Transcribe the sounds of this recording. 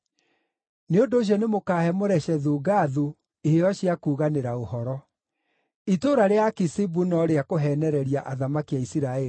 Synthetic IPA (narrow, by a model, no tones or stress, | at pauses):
neondoːɕ̬ɔnemokaːhɛmoɾɛɕɛðuːɡaːðu | eheɔɕiakuːɣaneɾaohɔɾɔ | itoɾaɾeakisibunɔɾeakoɦɛnɛɾɛɾiaʔaðamakiaisiɾaɛi